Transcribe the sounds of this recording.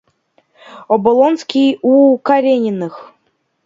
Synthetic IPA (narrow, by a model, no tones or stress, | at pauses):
ɔbɔlˠonskʲijukaɾʲenʲɪnɨx